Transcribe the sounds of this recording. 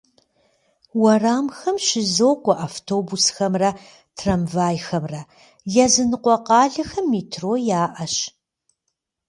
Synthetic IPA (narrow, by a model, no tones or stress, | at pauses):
wɐraːmxɐmʃɪzoːkʷʼɔʔaːftʰoːbusxɐmrɐ | tʰrɐmvaːjxɐmrɐ | jɛzɨnɨqʷɔqɑːɮɐxɐmːitʰroːjaːʔɐɕ